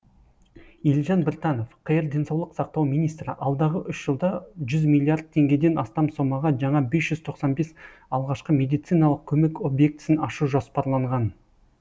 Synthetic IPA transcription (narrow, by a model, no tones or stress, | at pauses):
elʒɑnbɪɾt̪ɑno̞fqʰəjəɾd̪e̞nsɑwlˠəqsɑq̚t̪ɑwmijnijst̪ɾɪ̰ʔɑlˠd̪ɑʁəʔʏʃʒ̥əlˠd̪ɑʒʏzmʲilʲˠiard̪̚t̪ʰe̞ŋɡʲe̞d̪e̞nɑst̪ɑmso̞mɑʁɑʒɑɴɑbe̞sʒ̥ʏzt̪ʰo̞qsɑnbe̞s | ɑlˠʁɑʃqəme̞d̪ijt̪sijnɑlˠəq̚kʲʰɵme̞ko̞bje̞k̚t̪ɪ̥sɪnɑʃuʒospɑɾlˠɑɴʁɑn